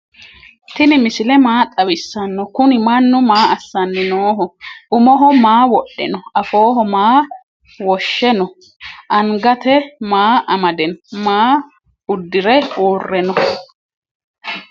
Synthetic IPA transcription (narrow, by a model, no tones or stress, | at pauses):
t̪ɪnɪmɪsɪlɛmaːt̪ʼɐwɪsːɐnːɔkʊnɪmɐnːʊmaːɐsːɐnːɛnoːɦɔʊmɔɦɔmaːwɔɗːɛ̰nɔɐfoːɦɔmaː | wɔʃːɛnɔ | ʔɐŋɡɐt̪ɛmaːʔɐmɐd̪ɛnmaː | ʊd̪ːɪɾɛoːrːɛnɔ